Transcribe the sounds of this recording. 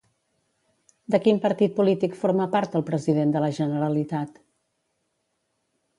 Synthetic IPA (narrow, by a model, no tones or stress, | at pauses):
d̪əkimpəɾt̪it̪̚pulit̪ikfoɾməpaɾt̪̚d̪əlˠpɾəziðend̪ələʒənəɾəlit̪at̪